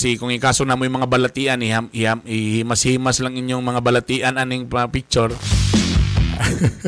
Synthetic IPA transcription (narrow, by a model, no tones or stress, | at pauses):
sikʊŋikaːsonamojuŋmɐŋabalat̪iʔanihamiamihimashimaslaŋiɲjoŋmɐŋabalat̪iʔananiŋpapik̚t͡ʃoɾ